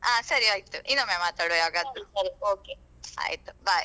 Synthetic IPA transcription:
aːsɐɾiaːjt̪uʔinːomemaːt̪aːɽujaːɡɐd̪usɐɾioːke | a̰ːjt̪ubaːj

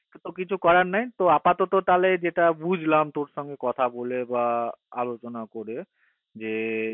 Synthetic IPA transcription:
t̪okit͡ɕʰukɔɾaɾnajt̪oapat̪ot̪ot̪aled͡ʑeʈabud͡ʑʱlamt̪oɾʃɔŋɡekɔt̪ʰabolebaa̰lot͡ɕonakoɾe | d͡ʑe

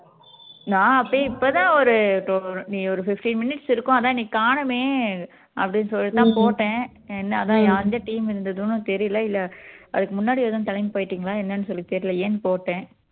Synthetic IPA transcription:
nãːɐpːoːɪpːoːt̪ãːɔɾɯʈonĩːɔɾɯfɪfʈinmɪnɪʈsɪɾɯkːʊ̃ɐðãːniːkaːɳɐmeː | ʔɐ̰pːɐɽɪnːsɔlːt̪ãːpoːʈːẽː | ɛnːɐɐðãːjãːɐnd̪ɐʈiːmɪɾɯnd̪ɐðʊnɯ̃t̪ɛɾɪjlɐɪlːɐʔɐðɯkːɯmʊnːaːɽɪiʋoːðɐ̃nt̪ɐlɐɪmpoːjʈːiːŋɡɐɭaːɛnːɐnːɯsɔlːit̪ɛɾɪlɐjeːnpoːʈːẽː

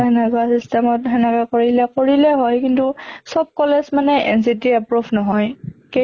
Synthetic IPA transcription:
ɛnɛkasistɛmɔtɦɛnɛkakoɹilɛkoɹilɛɦɔjkintusɔb̚kɔlɛsmanɛʔɛ̰ns̬itiapɹubʰnɔɦɔjke

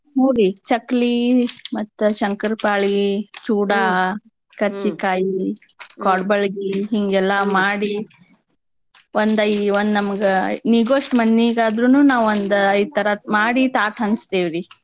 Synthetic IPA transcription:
nuːɾit͡ʃɐklimɐt̪ːuʃɐŋkɐɾpaːɭit͡ʃuːɽa | kɐɾt͡ʃikaːji | kɔːɽbɐlɡiɦiŋɡɛlːɐmaːɽi | ond̪ɐiond̪nɐmɐɡeniɡoːʂʈmɐnːiːɡaːd̪ɾunuːnaːʋond̪ɐjit̪ɐɾɐmaːɽit̪aːʈɦɐnst̪eːʋiɾi

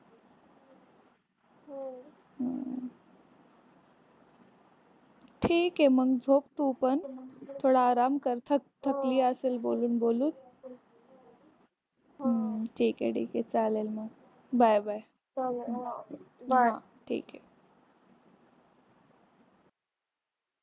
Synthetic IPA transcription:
ʈʰiːkeməɡd͡zʱop̚t̪upəɳt̪ʰoɽaːɾamkəɾt̪ʰət̪ʰəkliːəselboluːnboluːn | ʈʰiːkḛʈʰḭːket͡salelməɡ | bajbaj | ɦa | ʈʰḭːke

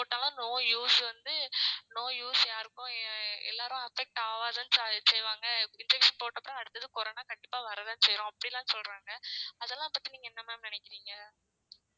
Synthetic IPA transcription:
poːʈːaːlãːnoːjuːsʋɐnd̪ɯnoːjuːsjaːɾɯkːʊ̃ɛ̰lːaːɾʊ̃ɐfɛk̚ʈaːʋaːðɐnssɛjʋaːŋɡɐɪnd͡ʒɛkʈʂɐnpoːʈːɐpːɾʊ̃ɐɽɯt̪ːɐðɯkɔɾoːnaːkɐɳɖɪpːaːʋɐɾɐðɯːnɯsɛjɾõɐpːɐɽɪlãːnsɔlɾaːŋɡɐɐðɛlːãːpɐt̪ːiniːŋɡɐɛnːɐmaːnɐnɛkːɪɾiːŋɡɐ

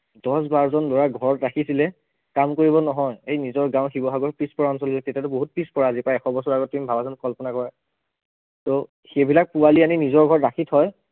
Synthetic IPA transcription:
dɔs̬baɹzɔnloɹaɡʱɔɹɔtɹakʰisilɛ | kamkoɹibɔnɔɦɔjejnizɔɹɡãʊ̃xibɔɦaɡɔɹpispɔɹaɔnsɔlilɛtetatʊboɦut̚pɹispɔɹaːzipajɛxʰɔbɔsɔɹaɡɔtːimbʱabazɔnkɔlpɔnakɔɹɛ | tɔ | xebilak̚pualianinizɔɹɡʱɔɹɹakʰitʰɦɔj

